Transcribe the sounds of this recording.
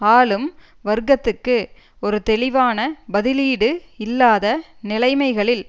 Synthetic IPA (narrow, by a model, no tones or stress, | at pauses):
aːlɯm | ʋɐɾɡɐt̪ːɯkːɯ | ɔɾɯt̪ɛlɪʋaːnɐbɐðɪliːɽɯɪlːaːðɐnɪlɐɪmɐɪɣɐɭɪl